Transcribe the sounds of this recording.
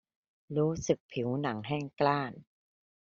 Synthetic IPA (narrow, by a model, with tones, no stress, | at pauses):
ɾuː˦˥sɯ˨˩k̚pʰi˩˦wna˩˦ŋɦɛː˥˩ŋklaː˥˩n